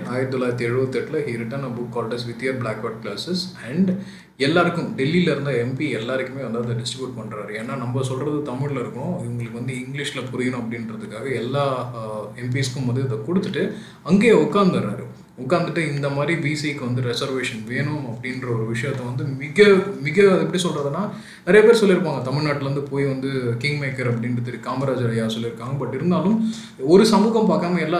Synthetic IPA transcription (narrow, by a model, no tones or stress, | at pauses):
aːjɪɾt̪ːɔlaːɪɾɐt̪ːiɛɻɯʋɐt̪ːɛʈːɪlɐɦiɾɪʈːɐnɐbʊkːaːlʈɐsʋɪt̪ːɪjɐɾblaːkʋɐʈ̚klaːsɪsɐɳɖɖ | ɛlːaːɾɯkːʊ̃mɖɛlːilɐɪɾɯnd̪aːɛmpiɛlːaːɾɪkːɯmeːʋɐnd̪aːɐðɐɖɪsʈɾɪbjuːʈ̚pɐɳːɾaːɾɯeːnːaːnɐmbɐsɔlɾɐðɯt̪ɐmɪɭlɐɪɾɯkːɐɳʊ̃ɪʋɐŋɡɐɭɯkːɯʋɐnd̪ɯɪŋɡlɪʂɪlɐpʊɾɪjɐnʊ̃ɐpːɐɽɪnɾɐðɯkːaːɣɐɛlːaːɛmp̬iːskːʊmbɐðɯɐðɐkɔɽɯt̪ːɯʈːɯ | ɐŋɡeːʊkːaːɾnd̪ɐʋɐɾa̰ːɾɯ | ʊkːaːnd̪ɯʈːɯɪnd̪ɐmaːd̪ɾibiːsikːɯʋɐnd̪ɯɾɛsɐɾʋeːʂɐnʋeːɳʊmɐpːɐɽɪnɾɐɔɾɯʋɪʂɐjɐɐt̪ːɐʋɐnd̪ɯmɪɣɐmɪɣɐðɛpːɐɽʈisɔlrɾaːðɯnːaː | nɪɾɐjɐpeːɾisɔlːɪɾɯpːaːŋɡɐt̪ɐmɪɻnaːʈːɪlɐɾɐnd̪ɯpoːjʋɐnd̪ɯkɪŋɡmeːkɐɾɐp̬ːɐɽɪnɾɯt̪̬ːɛɾikaːmɐɾaːd͡ʒaɾɐjaːsɔlːɪɾɯkːaːŋɡɐbɐʈːɪɾɯnd̪aːlɯm | ɔɾɯsɐmuːɣɐmpaːkːaːmɐɛlːaː